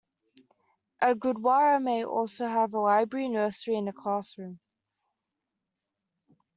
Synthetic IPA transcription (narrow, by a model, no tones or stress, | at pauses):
ʔəɡʊdwaɹəmeɪʔɔ̰ˑlˠsoʊəvəlaɪbɹəɹinɜːˑsɹiɪ̃nəkʰl̥ɑˑsɹʉ̃m